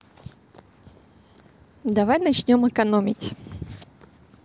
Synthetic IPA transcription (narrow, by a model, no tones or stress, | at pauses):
d̪ɐvajnɐt͡ɕnʲomɨkɐnomʲɪtʲ